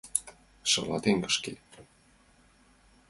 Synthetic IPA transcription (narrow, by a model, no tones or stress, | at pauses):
ʃɤ̰lɑt̪eŋkə̥̆ʃke